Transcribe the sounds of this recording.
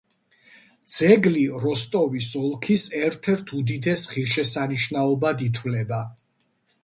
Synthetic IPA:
d̪z̥ɛɡliɾɔst̪ʼɔvisɔlˠkʰisɛɾt̪ʰɛɾt̪ʰud̪id̪ɛsχiɾʃɛsaniʃnaɔbad̪it̪ʰwvlɛba

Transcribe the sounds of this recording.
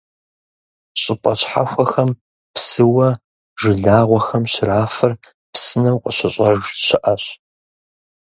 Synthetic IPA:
ɕʼɪpʼɐɕħa̰xʷɐxɐm | psɨwɐ | ʒɨɮaːʁʷɔxɐmɕɪraːfɐr | psɨnɐwqʷʼəɕɐɕʼɐʒɕɪʔɐɕ

